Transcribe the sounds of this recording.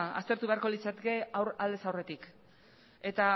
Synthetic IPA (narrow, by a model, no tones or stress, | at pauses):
a̰st̪eɾt̪uβe̞aɾko̞lit͡sat̪eke̞awɾald̪e̞sawre̞t̪ik | e̞t̪a